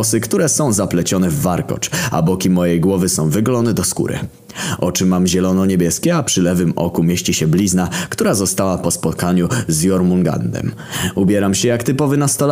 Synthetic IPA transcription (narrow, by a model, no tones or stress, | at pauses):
ɔsɘkt̪uɾɛsɔ̃w̃zaplɛt͡ɕɔnɛvːaɾkɔ̰t͡ʂa̰bɔkʲimɔjɛjɡwɔvɘsɔ̃w̃vɘɡlɔnɛd̪ɔskṵɾɘ̰ | ʔɔt͡ʂɘmamʑɛlɔnɔɲebʲjɛskʲɛapʂɘlɛvɘmɔ̰kumʲjeɕt͡ɕiɕɛblʲiznakt̪uɾazɔst̪awapɔspɔt̪kaɲuzjɔɾmuŋɡa̰nd̪ɛ̰m | ubʲjɛɾamɕɛjakt̪ɘpɔvɘnast̪ɔl